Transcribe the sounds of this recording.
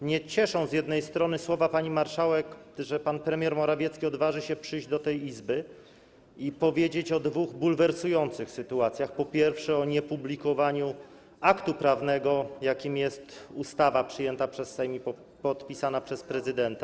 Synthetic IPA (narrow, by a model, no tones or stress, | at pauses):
mɲɛt͡ɕɛʂɔ̃w̃zʲjɛd̪nɛjst̪ɾɔnɘswɔvapaɲimaɾʂawɛkʐɛpanpɾɛmʲjɛɾmɔɾavʲjɛt̪skʲiɔd̪vaʐɘɕɛpʂɘjʑd͡ʑd̪ɔt̪ɛjizbɘ | ipɔvʲjed͡ʑet͡ɕɔd̪vuɣbulvɛɾsujɔnt̪sɘxsɘt̪uat̪sʲjaxpɔpʲjɛɾfʂɛɔɲɛpublʲikɔvaɲu | akt̪upɾavnɛɡɔjakʲimjɛst̪ust̪avapʂɘjɛnt̪apʂɛsːɛjmʲi | pɔt̪pʲisanapʂɛspɾɛzɘd̪ɛnt̪a